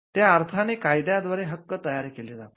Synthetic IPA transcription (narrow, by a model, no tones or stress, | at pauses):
t̪jaəɾt̪ʰaneːkajd̪jad̪ʋaɾeɦəkːət̪əjaɾkeleːd͡zat̪